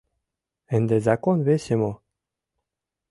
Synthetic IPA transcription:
end̪ezakonvesʲemo

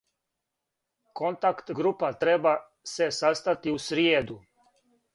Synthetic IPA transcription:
kont̪akt̪ɡɾupat̪ɾɛba | sɛsast̪at̪iusɾied̪u

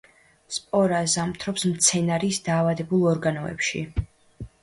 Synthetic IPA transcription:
spʼɔɾazamt̪ʰɾɔpsmt̪sʰɛnaɾisd̪aːvad̪ɛbulˠɔɾɡanɔɛ̰pʃi

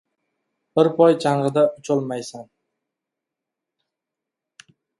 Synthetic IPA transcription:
b̥ɪɾpʰɒjt͡ʃʰaŋɾɨd̪aʊt͡ʃʰɒlˠmajsan

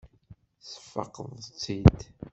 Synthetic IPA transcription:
sə̥fːə̰qːəðˤt͡sːid̪

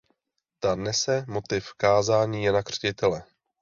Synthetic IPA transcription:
t̪anɛsɛmot̪ɪfkaːzaːɲiːjɛnakr̝̥cɪt̪ɛlɛ

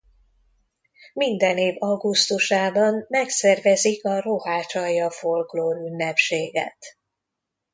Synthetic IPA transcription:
mind̪ɛneːvɒɡust̪uʃaːbɒnmɛksɛrvɛzikɒrohaːt͡ʃɒjɒfo̞lkloːɾynːɛpʃeːɡɛ̰t̪

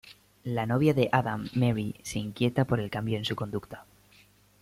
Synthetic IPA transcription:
lano̞βjaðe̞ʔaðamːeɾiseiŋkje̞t̪apo̞ɾe̞lkambjo̞ensuko̞nd̪ukt̪ḁ

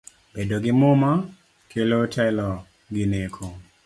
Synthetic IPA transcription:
b̥edoɡɪmʊma | kʰelotʰɛlɔ | ɡɪnekʰo

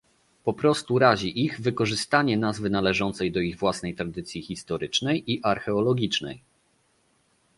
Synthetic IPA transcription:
pɔpɾɔst̪uɾaʑiʔiɣvɘkɔʐɘst̪aɲɛnazvɘnalɛʐɔnt̪sɛjd̪ɔiɣvwasnɛjt̪ɾad̪ɘt̪sʲjixʲist̪ɔɾɘt͡ʂnɛjʔiʔaɾxɛɔlɔɡʲit͡ʂnɛ̰j

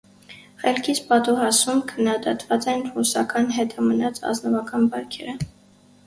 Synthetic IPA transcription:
χɛlkʰit͡sʰpɑt̪uɦɑsumkʰənːɑd̪ɑt̪vɑt͡sɛnrusɑkɑnɦɛt̪ʰɑmənɑt͡sʰɑ̰znɔvɑkɑnbɑɾkʰɛɾə

